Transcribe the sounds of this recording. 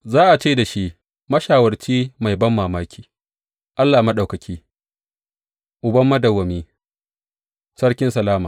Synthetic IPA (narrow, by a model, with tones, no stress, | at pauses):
zaː˦ʔa˨t͡ʃeː˦da˨ʃi˦ | mɐ˦ʃaː˨wɐ˨rt͡ʃiː˦ma˨jbɐ˦mːaː˨maː˦kʲiː˨ | ʔa˦lːaː˨mɐ˦ɗa˨wkɐ˨kʲʰiː˦ | ʔʊ˨bɐ˦mːɐ˦dɐ˨wːɐ˨miː˦ | sɐ˦ɽkʲɪ˦nsɐ˨laː˦maː˨